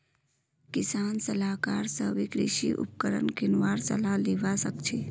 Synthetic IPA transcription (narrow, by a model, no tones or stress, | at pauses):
kɪsaːnsəlaːkaːɾsəʋikɾɪ̰ʃḭʔṵp̚kəɾə̰nkɪnʋaːɾsə̰laleːʋasəkt͡ʃʰe